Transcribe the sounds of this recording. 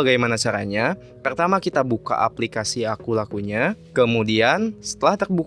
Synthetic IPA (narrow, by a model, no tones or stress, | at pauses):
aɡajmanat͡ʃaɾa̰ɲa | pərt̪amakit̪abuka̰ʔa̰plikasiakulakuɲakəmudiansə̥t̪əlaht̪ərbuk